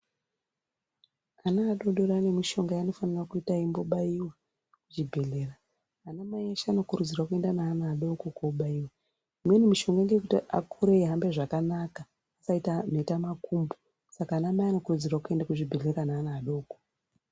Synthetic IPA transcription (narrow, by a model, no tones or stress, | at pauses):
anaːɗo̞ɗo̞ɾaːne̞miʃo̞ŋɡajano̞fanirakuitaimboɓaiwa | kuʐibʱe̞ɮe̞raː | namajaʃaːno̞kurud͡zirwakue̞ndanaːnaːɗo̞kokoɓaiwa | imwenemiʃo̞ŋɡaeŋɡeekutia̰kʰuɾeɦambe̞ʐakanaka | asaitan̤e̞tamakʰumbu | sakaːnamajano̞kurud͡zirwakue̞ndakuʐibʱe̞ɮe̞ɾanaːnaːɗo̞ːko